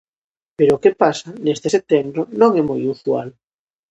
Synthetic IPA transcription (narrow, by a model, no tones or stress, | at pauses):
peɾokepasanest̪eset̪embɾonõŋɛmojuswa̰l